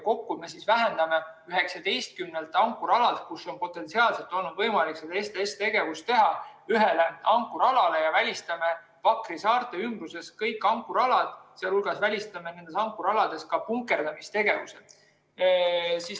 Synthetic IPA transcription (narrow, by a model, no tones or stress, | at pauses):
ko̞kːume̞sisvæɦe̞nd̪̥ɑme̞yɦe̞ksɑd̪e̞jst̪̚kymnelt̪ːˑɑŋkːˑuɾɑlɑd̪̥kuso̞npo̞t̪ːˑe̞nt̪siɑːlse̞lt̪ːˑo̞lnud̪vɤjmɑliksed̪̥ɑe̞st̪eest̪e̞ɡe̞vust̪t̪e̞ɦɑyɦele̞ɑŋkːˑuɾɑlɑle̞jɑvælʲist̪ɑme̞ | pɑkrisɑːrt̪ˑe̞ymbruse̞skɤjkːˑɑŋkːˑuɾɑlɑd̪̥seɑlhulɡ̥ɑsvælʲist̪ɑme̞ne̞nd̪e̞sɑŋkːˑuɾɑlɑd̪̥e̞skɑpuŋkːˑe̞rd̪ɑmist̪e̞ɡ̥e̞vuse | sis